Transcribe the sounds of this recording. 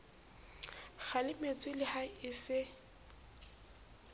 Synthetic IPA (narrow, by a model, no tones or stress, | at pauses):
χalɪmet͡sʼwɪlɪhaɪsɪ